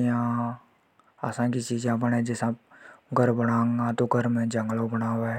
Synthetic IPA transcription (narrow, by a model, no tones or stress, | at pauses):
jã | a̰sãkit͡ʃiːd͡ʒẽapənɛ̃d͡ʒɪsãɡʱəɾbəɽ̃ãːŋɡat̪oɡʱəɾmẽd͡ʒə̃ŋɡlõbəɽaːwɛ